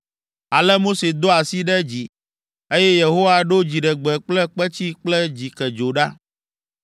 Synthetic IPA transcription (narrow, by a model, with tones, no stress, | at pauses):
a˨lɛ˦mo˦se˨d̪o˦a˨si˦ɖɛ˦d͡ʑi˨ | e˦jɛ˦je˨ɦo˦wa˨ɖo˦d͡ʑi˨ɖɛ˨ɡ͡bɛ˨k͡plɛ˦k͡pɛ˦t͡ɕi˦k͡plɛ˦d͡ʑi˨kɛ˨d͡ʒo˨ɖa˦